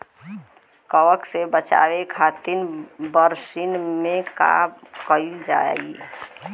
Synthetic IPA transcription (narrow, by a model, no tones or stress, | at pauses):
kəwəksebət͡ʃa̰wekʰat̪inbəɾsinmẽka̰mkəid͡ʒa̰ei